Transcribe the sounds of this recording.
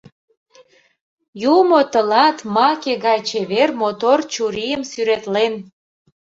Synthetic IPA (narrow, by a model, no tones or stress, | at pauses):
jumot̪əlɑt̪mɑkeɣɑjt͡ɕeβermot̪ort͡ɕuɾijəmsyɾet̪len